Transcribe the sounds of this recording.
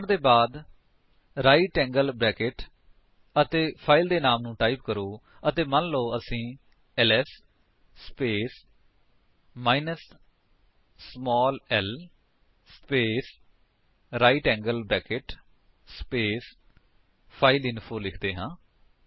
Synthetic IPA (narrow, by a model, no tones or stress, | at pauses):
ɳd̪eːbaːd̪ | ɾaːiʈɛ̃ːŋɡəlbɾɛːkeʈ | ət̪eːpʰaːɪld̪eːnaːmnũːʈaːipkəɾoː | ət̪eːmənloːəsĩː | ɛlɛːsː | peːs | maːinəs | mɔːlɛl | speːs | ɾaːiʈɛ̃ːŋɡəlbɾɛːkeʈ | speːs | pʰaːɪlɪnpʰoːlɪkʰd̪eːɦãː